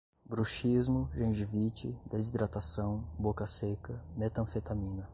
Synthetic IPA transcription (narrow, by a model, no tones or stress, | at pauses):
bɾuʃizmʊʒẽʒivit͡ʃɪd̪ezid̪ɾat̪asɐ̃w̃bokɐsekɐmet̪ɐ̃fet̪amĩnɐ